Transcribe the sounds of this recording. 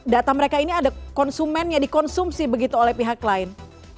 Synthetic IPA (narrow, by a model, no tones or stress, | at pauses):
dat̪aməɾekainiadakɔnsumɛnɲadikɔnsumsibəɡit̪uolɛhpiɦaklaɪn